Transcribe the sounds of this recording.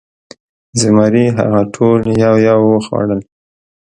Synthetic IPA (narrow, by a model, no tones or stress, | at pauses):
zɪmɑɾiɦa̰ɣaʈʰoljawjawoxɑ̰ɽəl